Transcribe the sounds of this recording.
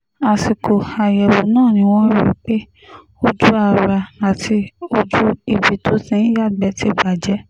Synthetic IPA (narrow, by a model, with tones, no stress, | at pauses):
a˨si˨ko˨a˨jɛ˨wo˨nãː˦˨nĩ˧˦w̃ɔ̃˦i˧˦k͡pe˦ | o˦d͡ʒu˦a˧˨ɾa˧a˨tʰi˧o˦d͡ʒu˦i˨bi˨tʰo˦sĩ˧˦i˦ja˦˨ɡ͡bɛ˧˦ti˦ɡ͡ba˨d͡ʒɛ˨˦